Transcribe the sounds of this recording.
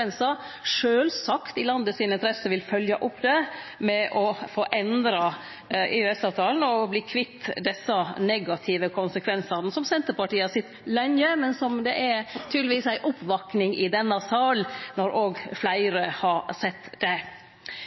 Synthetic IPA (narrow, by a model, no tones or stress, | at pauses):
ɛnsɑ | ʂøːlsɑkt̪ɪlɑnd̪əsɪnɪnt̪ʰɾɛsəʋɪlfœljɑʔʊpːd̪ɛmɛʔɔfoːʔɛnd̪ɾɑ | eʉɛsɑːʋt̪ʰɑːln̩ɔbliːkʰʋɪt̪ːd̪ɛsːɑnɛɡɑt̪ʰɪʋəkʰʊnsəkʰʋɛnsɑnəsɔmsɛnt̪əɾpɑʈiːəhɑsɪt̪lœɲəmɛnsɔmd̪ɛʔæɾt̪ʰyːd̪ləʋiːsæɪʔʊpːʋɑknɪŋɪd̪ɛnːɑsɑlnɔɾʔoːɡflæɪɾəhɑɾsɛt̪ːd̪̥ɛ